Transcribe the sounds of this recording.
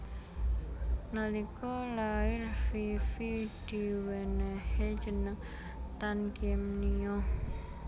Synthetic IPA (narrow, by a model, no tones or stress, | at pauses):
nəlikɔlaɪrfifid̪̥i̤wenɛhe̥ʒ̥ə̤nəŋ | t̪ankɛmniɔ